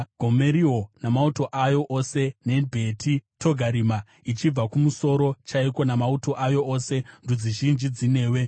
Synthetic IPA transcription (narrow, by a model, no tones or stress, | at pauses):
ɡʱome̞ɾio̞namauto̞ʔajo̞ʔose̞ne̞bʱe̞tʰitʰo̞ɡʱaɾima | it͡ʃib͡vakumuso̞ɾo̞t͡ʃaiko̞namauto̞ʔajo̞ʔose̞ndud͡ziʒind͡ʒid͡zine̞ːwe̞